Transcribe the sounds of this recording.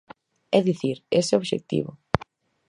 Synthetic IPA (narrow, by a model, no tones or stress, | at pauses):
ɛðiθiɾesɪoβʃḛk̚t̪ḭβʊ